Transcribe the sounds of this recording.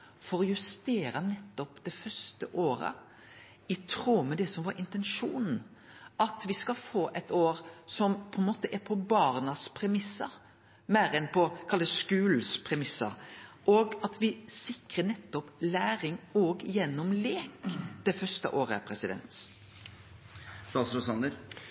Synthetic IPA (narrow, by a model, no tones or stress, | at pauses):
fɔɾɔjʉst̪eːɾənɛt̪ːɔpd̪̥ɛfœst̪əʔoːɾə̰ | ɪt̪ʰɾuːmɛd̪ɛsɔmʋɑɾɪnt̪ɛnʂuːnn̩ | ʔɑt̪ʋɪskɑlfoːʔɛt̪oːɾsɔmpʰɔɛnmoːt̪əʔɛɾpʰɔbɑːɾnɑspʰɾɛmɪsːɑɾ | mæːɾɛnpʰɔkʰɑlːəskʉːlspʰɾɛmɪsːɑ̰ɾʔɔɡɑt̪ʋɪsɪkɾənɛt̪ːɔplæːɾɪŋɔɡjɛnːɔmleːkd̪̥ɛfœɾst̪ə̰ʔoːɾəæ̰ɾpʰɾɛsɪd̪ɛ̰nt̪ | sɑsɾɔsɑnd̪əɾ